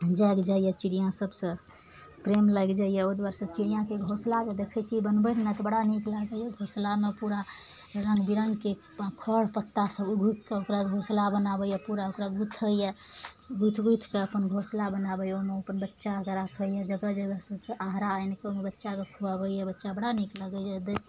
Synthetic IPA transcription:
d͡ʒəɡd͡ʒajɛt͡ʃiɽijãsəbsə̃ | pɾemləɡd͡ʒajɛod̪waɾsə̃t͡ʃiɽijãkeɡʱoslad͡ʒed̪ekʰɛt͡ʃʰibənbət̪ʰnat̪ɔbəɽaniklaɡəjɛɡʱoslamepuɾa | ɾə̃ŋɡbiɾəŋɡke | kʰɔɽpət̪ːasəbuɡʱut̪̚ʰkeokɾaɡʱoslabənabəjapuɾaokɾaɡut̪ʰəja | ɡut̪ʰɡujt̪ʰkeəpənɡʱoslabənabəjoɦmeəpənbətːʃakeɾakʰəjad͡ʒəɡəd͡ʒəɡəsəsə̃ʔaɦɾaːjnkeomebətːʃakekʰubabəjɛbətːʃabəɽanikləɡəjad̪e

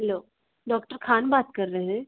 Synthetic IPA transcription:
ɦɛloː | ɖɔːkʈəɾkʰaːnbaːt̪̚kɐɾːəɦɛ̃ː

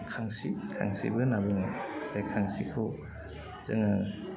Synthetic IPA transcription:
kʰaŋsikʰa̰ŋsḭbɯnabɯŋadajkʰaŋsikʰɯ | zɯŋa

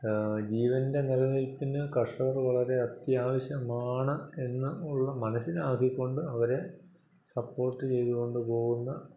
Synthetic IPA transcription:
d͡ʑiːʋɐnde̞nilɐnilpːinɨkɐʂɐʋɐrʋɐɭɐɾe̞ɐt̪jaːʋɐɕjɐmaːɳɐe̞nːɨuɭːɐmɐnɐsːinaːkːikʲːo̞ɳɖɨɐʋɐɾe̞ | sɐpːo̞ːrʈːɨt͡ɕe̞jðuɣo̞ɳɖɨpo̞ːɣunːɐ

